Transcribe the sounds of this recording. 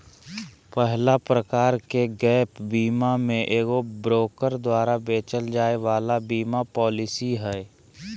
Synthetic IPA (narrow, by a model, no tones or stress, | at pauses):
pɛɦlapɾəkaːɾkeɡɛːpbiːmamẽʔeːɡobɾoːkəɾd̪waːɾabeːt͡ʃəld͡ʒaːeʋaːlabiːmapɔːlɪsiɦɛː